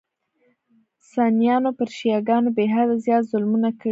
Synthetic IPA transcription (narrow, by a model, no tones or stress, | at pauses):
sɑnijɑnopəɾʃijɑɡɑnobeɦad̪azjɑt̪zʊlmunakə